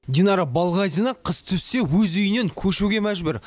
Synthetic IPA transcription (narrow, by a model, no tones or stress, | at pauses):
dʲinɑɾɑbɑlˠʁɑjzinɑqʰəst̪ʰʏsːe̞wɵzʏjɪne̞ŋkʲʰɵʃuɡʲe̞mæʒbʏɾ